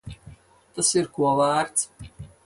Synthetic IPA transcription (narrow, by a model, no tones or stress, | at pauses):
t̪asiɾkuɔvæːɾt̪s